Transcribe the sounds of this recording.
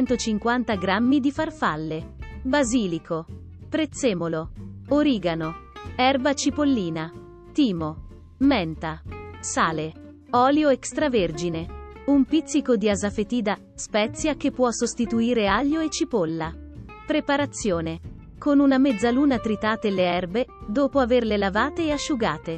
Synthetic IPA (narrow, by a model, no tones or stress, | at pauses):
ɛnt̪ot͡ʃiŋkwant̪aɡɾamːid̪ifarfalːebaziːlikʰo | pɾet̪sːeːmolooɾiːɡanoɛrbat͡ʃipolːiːna | t̪iːmo | mɛnt̪asaːle | ɔːljoekst̪ɾaverd͡ʒineumpit̪sːikod̪iazafet̪iːd̪a | spɛt̪sːjakepːwɔsost̪it̪uiːɾeaʎːoet͡ʃːipolːa | pɾepaɾat̪sːjoːne | konunamed̪zːaluːnat̪ɾit̪aːt̪eleɛrbed̪oːpoaverlelavaːt̪eːaʃːuɡaːt̪e